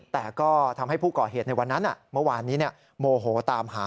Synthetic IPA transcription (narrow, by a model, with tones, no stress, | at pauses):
t̪ɛː˨˩kɔː˥˩t̪ʰa˧mha˥˩jpʰuː˥˩kɔː˨˩ɦeː˨˩t̪̚na˧jwa˧nːa˦˥nʔa˨˩mɤ˥˩˨waː˧niː˦˥ni˥˩ə | moː˧ɦoː˨˩˦t̪aː˧mɦaː˨˦